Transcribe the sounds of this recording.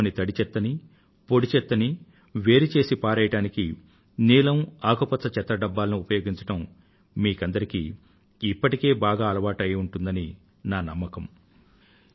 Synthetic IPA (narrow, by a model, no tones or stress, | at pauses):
nit̪ɐɽit͡ʃɛt̪ːɐni | po̞ɽit͡ʃɛt̪ːɐni | ʋe̞ːɾit͡ʃe̞ːsipaːɾɐːjɐʈaːniki | niːlɐmaːkopɐt̪sɐt͡ʃɛt̪ːɾɐɖɐbːaːlɐnuupɐjo̞ːɡiɲt͡ʃɐʈɐm | miːkɐnd̪ɐɾikḭː | pːɐʈike̞ːbaːɡaːɐlɐʋaːʈɐjuɳʈund̪ɐni | naːnɐmːɐkɐm